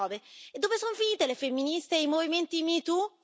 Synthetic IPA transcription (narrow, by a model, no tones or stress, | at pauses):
ɔːveed̪ːoːpesonfiniːt̪elefemːinist̪eimoviment̪imit̪u